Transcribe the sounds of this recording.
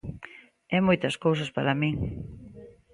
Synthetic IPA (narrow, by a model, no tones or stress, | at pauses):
ɛmojt̪ɐskowsɐspaɾamiŋ